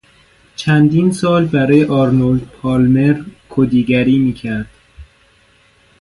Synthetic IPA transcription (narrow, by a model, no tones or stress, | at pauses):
t͡ʃʰænd̪iːnsɒːlbæɾɒːjeʔɒːɾnold̪̚pʰɒːlmeɾkʰod̪iːɡæɾiːmiːcʰæɾd̪̥